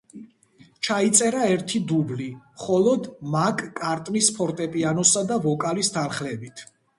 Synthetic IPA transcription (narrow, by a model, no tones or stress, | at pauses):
t͡ʃʰait̪sʼɛɾaɛɾt̪ʰid̪ublimχɔlˠɔd̪makʼkʼaɾt̪ʼnispʰɔɾt̪ʼɛpʼianɔsad̪avɔkʼalist̪ʰanχlɛbit̪ʰ